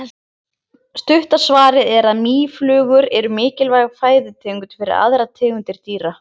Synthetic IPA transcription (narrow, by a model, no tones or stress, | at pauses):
st̪ʏht̪asvaːɾɪðɛɾaðmiːflʏːɣʏɾɛɾʏmɪːcɪlvajɣafaːjðʏt̪ʰɛːŋkʏnfɪɾɪ̰ɾa̰ðɾat̪ʰɛːɣʏnt̪ɪɾ̥t̪iːɾa